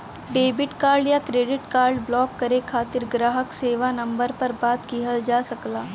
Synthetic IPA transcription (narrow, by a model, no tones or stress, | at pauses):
ɖeːbɪʈkaːɾɖjakɾeːɖɪʈkaːɾɖblɔːkːɐɾekʰaːt̪ɪɾɡɾaːɦəkseːʋanɐ̃mbəɾpɐɾbaːt̪kiɦəld͡ʒaːsɐklaː